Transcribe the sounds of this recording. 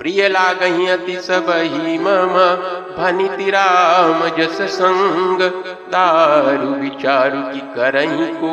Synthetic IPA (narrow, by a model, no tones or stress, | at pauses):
pɾijɐlaːɡɐɦĩɐt̪isɐbʱɐɦimɐmɐ | bʱɐnit̪iɾaːmɐd͡ʒɐsɐsɐŋɡɐ | d̪aːɾuʋit͡ʃaːɾukikɐɾɐɦĩko